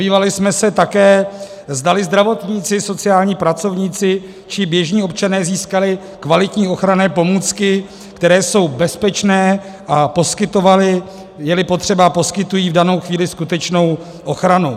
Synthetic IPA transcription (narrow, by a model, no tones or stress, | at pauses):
iːvalɪsmɛsɛt̪akɛː | zdalɪzd̪ɾavo̞t̪ɲiːt͡sɪso̞t͡sɪaːlɲiːpɾat͡so̞vɲiːt͡sɪ | t͡ʃɪbjɛʒɲiːo̞p̚t͡ʃanɛːziːskalɪ | kvalɪt̪ɲiːo̞xɾanɛːpo̞muːt͡skɪ | kt̪ɛɾɛːso̞wbɛspɛt͡ʃnɛː | ʔapo̞skɪt̪o̞valɪ | jɛlɪpo̞t̪r̝̥ɛbapo̞skɪt̪ujiːvdano̞wxviːlɪskut̪ɛt͡ʃno̞w | ʔo̞xɾanu